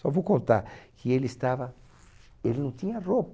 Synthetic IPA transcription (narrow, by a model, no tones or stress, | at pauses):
safokont̪aɾkʰeelest̪aβa | elnõt̪inarop